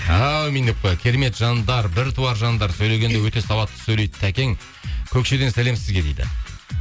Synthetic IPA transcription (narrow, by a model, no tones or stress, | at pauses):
awmijnɪp̚qojkʲʰe̞ɾeme̞t̪ʒɑnd̪ɑɾbɪɾt̪ʰuwɑɾʒɑnd̪ɑɾsɵjle̞ɡʲe̞nd̪ewɵt̪e̞sɑbɑt̪ːə̥sɵjlejt̪ɪt̪ʰækʲe̞ŋ | kʲʰɵkʃe̞d̪e̞nsæle̞msɪzɡʲe̞d̪ejd̪ɪ̰